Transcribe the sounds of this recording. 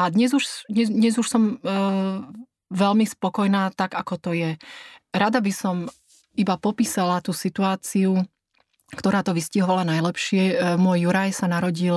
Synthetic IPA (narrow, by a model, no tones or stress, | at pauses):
ad̪ɲɛzuʃd̪ɲɛd̪ɲɛzuʃsɔm | ʋɛlmispɔkɔjnaːt̪aɡakɔt̪ɔjɛɾad̪abisɔm | ibapɔpiːsalat̪uːsit̪uaːt͡siu | kt̪ɔɾaːt̪ɔʋisciɦɔʋalanajlɛpʃɪɛmʊɔjːuɾajsanaɾɔɟil